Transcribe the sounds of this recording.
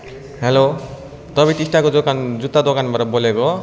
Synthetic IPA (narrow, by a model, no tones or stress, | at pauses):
helo | t̪ɔbiʈisʈakod͡zɔkand͡zut̪ad̪ɔkanbaɾɔbɔlebɔ